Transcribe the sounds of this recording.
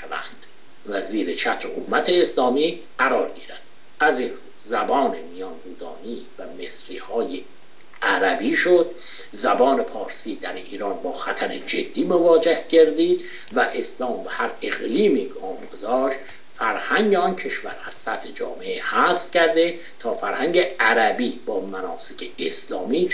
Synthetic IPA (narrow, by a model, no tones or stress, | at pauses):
ʃvæ̰nd̪̥ | væziːɾet͡ʃʰæt̪ɾehommæt̪ʰeːslɒːmiː | ɢæɾɒːɾɡiːɾæd̪̥ | æzinu | zæbɒːnemijɒnduːd̪ɒ̰ːniːvæme̞sɾḭːhɒːje | æɾæbiːʃod̪ | zæbɒːne̞pʰɒːɾsiːd̪æɾiːɾɒːnbɒːxæt̪ʰæɾed͡ʒed̪ːiːmovɒːd͡ʒehɟeɾd̪iːd̪ | væʔeslɒːmbehæɾe̞ɣliːmiːkʰɒːmɡozɒːʃt̪ | fæɾhæŋɟeɒncʰe̞ʃvæ̰ɾæz̥sæt̪ʰhed͡ʒɒ̰ːmeʔehæsfcʰæɾd̪e | t̪ʰɒːfæɾhæŋɟeæɾæbiːbɒːmænɒːsecʰeeslɒːmiː